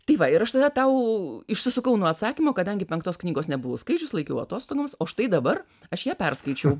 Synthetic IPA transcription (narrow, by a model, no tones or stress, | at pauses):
t̪ɐɪʋɐɪɾɐʃt̪ɐd̪ɐt̪ɐʊɪʃsʲɪsʊkɐʊnuɔɐt̪sɑːkʲimoːkɐd̪ɐŋʲɡʲɪpʲɛŋkt̪oːsknʲiːɡoːsnʲɛbʊʋoːskɐɪt͡ʃʲʊslˠɐɪkʲɛ̰ʊɐ̰t̪oːst̪oːɡoːmsoːɐʃt̪ɐɪd̪ɐbɐr | ɐʃjæːpʲɛrskɐɪt͡ʃʲɛʊ